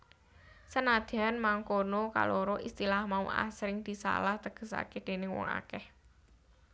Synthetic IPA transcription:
sənad̪̥i̤anmaŋkonoka̰lʔoɾoʔist̪ilahmauʔa̰sɾɪŋd̪̥i̤sa̰laht̪əɡ̥ə̤sa̰ked̪̥e̤nɪŋwɔ̰ŋa̰kɛh

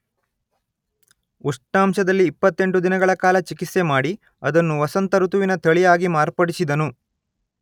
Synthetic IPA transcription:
uʂʈaːmʃɐd̪ɐlːiːpːɐt̪ːe̞ɳʈud̪inɐɡɐɭɐkaːlɐt͡ʃikit̪se̞maːɽi | ɐd̪ɐnːuʋɐsɐnt̪ɐɾut̪uʋinɐt̪ʰɐɭijaːɡimaːɾpɐɽisid̪ɐnu

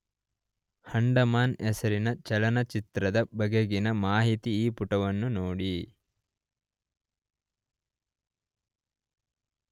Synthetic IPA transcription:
hɐɳɖɐmaːnɛsɐɾinɐt͡ʃɐlɐnɐt͡ʃit̪ɾɐd̪ɐbɐɡeɡinɐmaːɦit̪iːpuʈɐʋɐnːunoːɽi

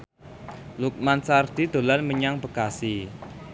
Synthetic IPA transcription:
luk̚mansard̪̥i̤d̪̥o̤lanməɲaŋb̥əɡ̥asi

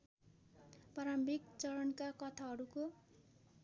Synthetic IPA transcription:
paɾʌmbikt͡sʌɾʌnkakʌt̪ʰaɦʌɾuko

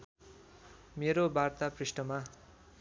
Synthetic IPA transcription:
meɾobart̪aprisʈʌma

